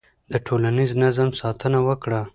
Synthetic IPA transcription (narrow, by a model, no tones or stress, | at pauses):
d̪əʈʰolaniznazamsɑt̪ʰənawəkɽa